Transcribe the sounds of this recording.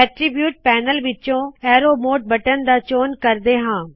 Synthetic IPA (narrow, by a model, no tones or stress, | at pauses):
ɛʈɾɪbjuːʈ̚pɛːnəlʋɪt͡ʃõɛːɾoːmoːʈ̚bɐʈənd̪aːt͡ʃoːnkɐɾd̪eɦãː